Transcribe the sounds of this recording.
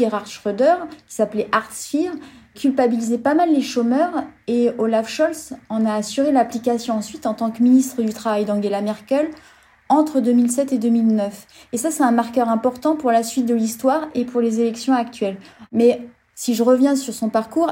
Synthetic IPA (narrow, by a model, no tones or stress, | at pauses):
eʁaʁʃʁød̪œʁkʲi̥saplɛʔaʁt̪sfiʁkʲʰylpabilizepamalːeʃomœʁeolafʃɔlsɑ̃naːsyʁelaplikasjɔ̃ɑ̃sɥit̪ɑ̃t̪ɑ̃kəminist̪χəd̪yt̪χavajd̪ɑ̃ɡelamɛʁkʲɛl | ɑ̃t̪χəd̪ømilsɛt̪ed̪ømilnœf | esasɛt̪ɛ̃maʁkœʁɛ̃pɔʁt̪ɑ̃puʁlasɥit̪̚d̪əlist̪waʁepʰuʁlezelɛksjɔ̃ak̚t̪ɥɛlmɛ | siʒəʁəvjɛ̃syʁsɔ̃paʁkuːʁ